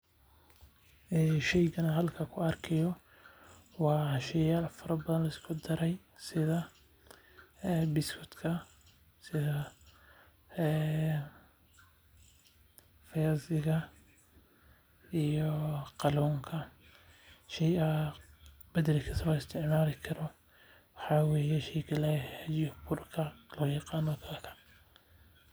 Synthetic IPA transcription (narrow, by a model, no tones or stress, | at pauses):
ʔɛːʃɛjɣɐnɐɦɐlkʰɐkʰʊɐrkʰɛjɔ | wɑːʃɛjalfɐɾɐbɐðɐnlɐɪskʰʊd̪ɐɾɛj | sɪðɐ | ɛːbɪskʰʊt̪kʰɐ | sɪðɐ | ɛː | fɐjasɪɣɐ | ijɔqɑlɔːŋkʰɐ | ʃɛjɐ | bɐd̪ɐɾɪkʰɐsɐɪst̪ʰɪʕmaːlɪkʰɐɾɔ | wɑħɑːwɛːjɛʃɛjkʰɐlaɐd͡ʒɔbʰʊrkʰɐlɔːjɑqɑːnɔkʰakɐ